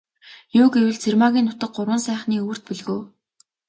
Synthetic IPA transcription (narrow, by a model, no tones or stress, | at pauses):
jʊːkewɘ̆ɮt͡sʰermaɣʲiːnːʊt̪ə̆k̚ɢʊrwə̆nsæːχniːuw̆r̥t̪̚piɮɣɵ̆ː